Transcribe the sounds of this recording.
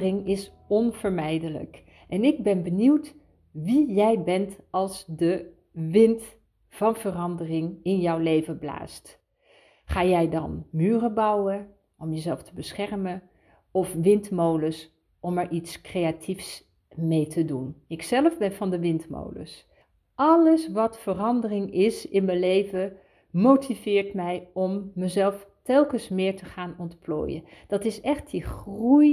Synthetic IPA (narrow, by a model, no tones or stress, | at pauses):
rɪŋɪs | ɔnv̥əɹmɛjdələ̰k | ʔɛnɪɡ̚bɛnbəniwt | ʋijɛjbɛntɑlˠsdə | ʋɪnt | vɑnvərɑndərɪŋɪnjɔwlejvəbla̰ːst | χaːjɛjdɑnmyːrəbɑwə | ʔɔmjəzɛlˠftəbəsχɛɹmə | ɔfʋɪntmowləs | ʔɔmɛɹʔitskrejatʰifs | mejtʰədunɪksɛlˠəvbɛnfɑndəʋɪntmo̰wlə̰s | ɑləsʋɑtfərɑndərɪŋɪsɪnməlejvə | mowtʰivɪːɹtmɛjɔmːəzɛlˠftɛlˠkəsmɪːɹtəχaːnɔntplo̰ːjə̰d̥ɑtɪsɛχt̚diχruj